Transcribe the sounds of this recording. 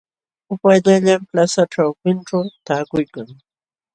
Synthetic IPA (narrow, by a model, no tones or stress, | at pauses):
ʊpajʎaʎamplasaʈ͡ʂawpɪnʈ͡ʂawt̪aːkʊjkaŋ